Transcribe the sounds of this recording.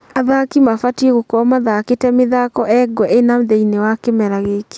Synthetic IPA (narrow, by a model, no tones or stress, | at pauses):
aðakimafatieɣokɔmaðaketɛmeðakɔʔɛɡɔenaðeinewakemɛɾaɣeke̥